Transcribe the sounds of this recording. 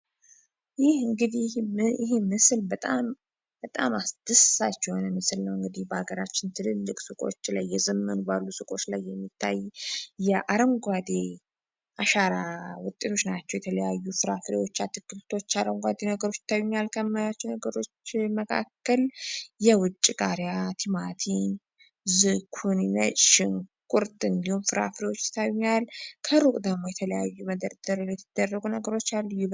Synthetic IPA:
jɪhɨŋɡɨd̪ihɪɦemɨslbət̪ʼam | b̥ət̪ʼamasd̪̥ɨsat͡ʃːɛhonəmɨsɨlnəwɨŋɡɨd̪ihbəhaɡəɾat͡ʃːɪnt̪ʰɨlɨlːɨkʼsɨkʼo̞̰t͡ʃːlajːɛzɨmːənubalːusɨkʼo̞t͡ʃːlajːɛmːit̪ʰːajjɛʔaɾəŋɡʷad̪e | ʔaʃaɾawʊt̪ʼːe̞t̪ʰo̞t͡ʃːnat͡ʃːɛwjɛt̪ʰələjajːufɨɾafɾewo̞t͡ʃːat̪ʰɨkːɨlt̪ʰo̞t͡ʃːaɾəŋɡʷad̪enəɡəɾo̞t͡ʃːɪ̥t̪ʰːawɲːalkʰəmːajat͡ʃːɛnəɡəɾo̞t͡ʃːməkʰa̰kːəljɛwʊt͡ʃʼːikʼaɾjat̪ʰimat̪ʰin | zɨkʰunnə̰t͡ʃʼʃɪnkʼuɾt̪ʼɨnd̪ihumfɨɾa̰fɾewo̞t͡ʃːjɪ̥t̪ʰːawɲːalkʰəɾukʼd̪əmo̞jɛt̪ʰələjajːuməd̪əɾd̪əɾljɛt̪ʰɨd̪̥ərːəɡunəɡəɾo̞t͡ʃːalːjub

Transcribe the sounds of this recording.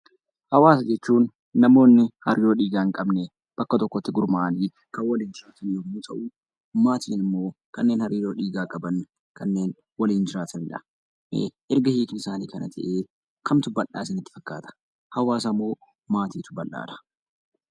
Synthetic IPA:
hɐwaːs̬ɐd͡ʒɛt͡ʃːuːnː | ɐmo̞ːnːɪhɐɾiːɾoːᶑiːɡaːŋkʼɐbne | b̥ɐkːɐt̪ɔkːɔt̪ːɪɡʊɾmɐʔaniː | kɐwɐliːnd͡ʒɪɾaːt̪ɪnːɔmut̪ʰɐ̰ʔuː | maːt̪iːnɪmːo̞ːkɐnːe̞ːnhɐɾiːɾo̞ːᶑiːɡaːkʼɐbɐnː | kɐnːe̞ːn | wɐliːnd͡ʒɪɾaːt̪ʰɐnɪᶑɐ̰ | ʔɛɾɡɐhiːkɪnɪsaːniːkɐnɐt̪ʰɐ̰ʔeː | kʰɐmt̪ʊbːɐlːa̰ːsɪnɪt̪ːɪ̥fɐkːa̰ːt̪ɐ̥ | hɐwaːsɐmːo̞ː | maːt̪iːt̪ʊbɐlːa̰ːd̪ɐ̥

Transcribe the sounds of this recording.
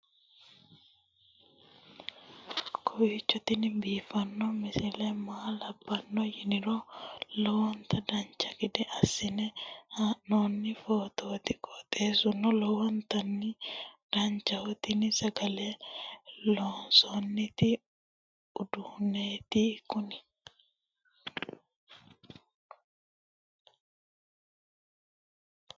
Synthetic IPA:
kʰɔwiːt͡ʃːɔt̪ɪnɪbiːfɐnːɔmɪsɪlɛmaːlɐbːɐnːɔhɪnɪɾolɔwɔnt̪ʰɐd̪ɐnt͡ʃːɐɡɪd̪ɛʔɐsːɪnɛhanoːnːɪfoːt̪oːt̪ɪkʼɔt̪ʼeːsʊnːɔlɔwɔnt̪ɐnːɪd̪̥ɐnt͡ʃɐɔt̪ɪnɪsɐɡɐleː | loːnsonːɪt̪ɪ | ʊd̪ʊhʊneːt̪ikʊnɪ

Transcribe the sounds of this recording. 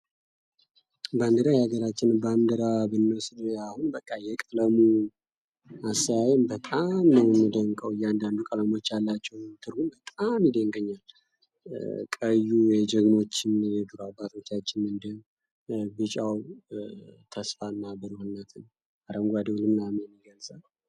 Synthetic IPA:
band̪ɨɾajhaɡəɾat͡ʃːɪnbamd̪əɾabɨnːəsɨnəahunbəkʼːajɛkʼələmu | asaajmbət̪ʼamnəwmːɨd̪əŋkʼəwjɛand̪and̪ukʼələmo̞t͡ʃːjalːat͡ʃːɛwt̪ʰɨɾhunbət̪ʼamjɪd̪əŋɡʼəɲːal | kʼəjːuwjɛd͡ʒəɡmo̞t͡ʃːɪnjɛd̪ɨɾuabat̪ʰo̞t͡ʃːat͡ʃːɪnɨnd̪ɨ | bɨt͡ʃʼaw | t̪ʰəsfalnabɨɾəhunːət̪ʰɨn | aɾəŋɡʷad̪əwlɨmlameniɡəlsʼal

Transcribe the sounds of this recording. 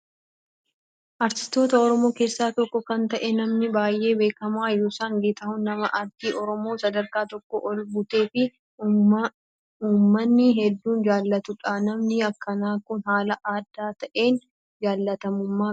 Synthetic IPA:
ʔɐɾt̪ɪ̥st̪o̞ːt̪ɐɔɾɔmo̞ːke̞ːsːaːt̪ɔkːɔkɐnt̪ɐʔɛnɐmnɪbaːjʔe̞ːbe̞ːkɐmaːjoːsaːŋɡeːt̪ɐhʊnːɐmɐʔɐɾt̪iːʔɔɾɔmo̞ːsɐd̪ɐɾkaːt̪ɔkːɔʔɔlɡʊt̪e̞ːfɪ | uːmːɐnːɪɦɛd̪ːuːnd͡ʒaːlːɐt̪ʊᶑanɐmnɪɐkːɐnaːkʊnhaːlɐʔaːd̪ːaːt̪ɐʔe̞ːn | d͡ʒaːlːɐt̪ɐmʊmːaː

